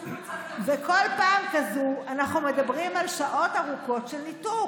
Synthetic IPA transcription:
veko̞lpaːmkazuanaχnumedabʁimalʃaʔo̞taʁuko̞tʃelnitu

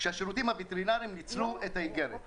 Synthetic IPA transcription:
ʃeaʃeʁut̪imhavit̪eʁinaʁimnit͡sluet̪haiɡeʁet

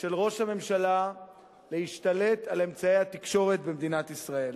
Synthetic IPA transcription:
ʃe̞lʁo̞ʃhame̞mʃala | le̞hiʃt̪alet̪ale̞mt͡sae̞jhat̪ikʃo̞ʁe̞t̪bemd̪inat̪isʁae̞l

